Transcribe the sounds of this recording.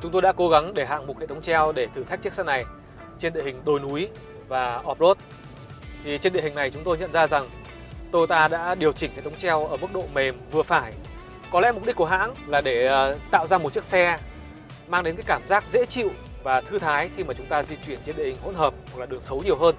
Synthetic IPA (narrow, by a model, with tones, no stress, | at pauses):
t͡ɕʊ˨˦ŋ͡mt̪o˧jɗa̰ː˧˥ko˨˦ɣa˨˦ŋɗe˧˩ɦa̰ː˧˨ŋmu˨˩hḛ˧˨˩tʰə˨˦wŋ͡mt͡ɕɛ˧wɗe˧˩t̪ʰɨ˨˩t̪ʰa˦˥k̚t͡ɕk̚saː˧˥na˨˩j | t͡ɕe˧nɗḭ˧˨əhï˨˩ŋ̟ɗ̪o˧˩jnu˨˦j | vaː˨˩ʔɔ˨˩p̚lo˦˥t̚ | t̪ʰi˨˩t͡ɕe˧nɗḭ˧˨hi˨˩ŋ̟na˨˩jt͡ɕʊ˨˦ŋ͡mt̪o˧jɲə̰˧˨nzaː˧za˨˩ŋ | t̪o˧jt̪aː˧ɗa̰ː˧˥ɗi˨˩əwt͡ɕï˧˩ŋhḛ˧˨t̪ʰwŋ͡mt͡ɕɛ˧wʔəː˧˩mɨ˦˥k̚ɗo̰˧˨me˨˩mvɨ˨˩əfaː˧˩j | kɔ˨˦lɛ̰˧˥m˨˩k͡p̚ɗi˦˥k̚u˧˩ɦa̰ː˧˥nlaː˨˩ɗe˧˩t̪a̰ː˧˨wzaː˧mo˨˩t̚t͡ɕi˦˥ək̚sɛ˧ | maː˧ŋɗe˨˦nkaː˨˦kaː˧˩mzaː˦˥k̚zḛ˧˥t͡ɕḭ˧˨w | vaː˨˩t̪ʰɨ˧t̪ʰaː˨˦jxi˧maː˨˩t͡ɕʊ˨˦ŋ͡mt̪aː˧zi˧t͡ɕwi˧˩ənt͡ɕe˧nɗḭ˧˨hï˨˩ŋho̰˧˥nhəː˨˩mhwk̚laː˨˩ɗɨ˨˩əŋsə˨˦wɲi˨˩əwɦəː˧n